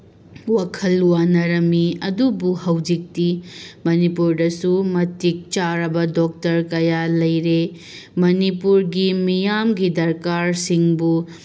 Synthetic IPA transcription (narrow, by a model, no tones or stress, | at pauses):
wakʰɐlwanɐɾɐmiɐdubuhɐwd͡ʒik̚timɐnipuɾdɐsumɐtik̚t͡ʃaɾɐbɐdok̚tɐɾkɐjalɐjɾe | mɐnipuɾɡimijamɡidɐɾkaɾsiŋbu